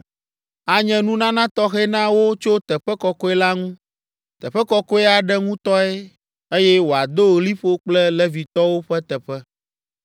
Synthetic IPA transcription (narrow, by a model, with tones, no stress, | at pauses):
a˨ɲɛ̃˦nũ˦nã˦nã˦t̪ɔ˦xɛ˦nã˦wo˦t͡ʃo˦t̪ɛ˨ɸɛ˦kɔ˨kɔ˦ɛ˦la˦ŋũ˦ | t̪ɛ˨ɸɛ˦kɔ˦kɔ˦ɛ˦a˨ɖɛ˦ŋũ˦t̪ɔ˦ɛ˦ | e˦jɛ˦wo˨a˨d̪o˦ɣli˦ɸo˦k͡plɛ˦lɛ˦vi˨t̪ɔ˦wo˦ɸɛ˦t̪ɛ˨ɸɛ˦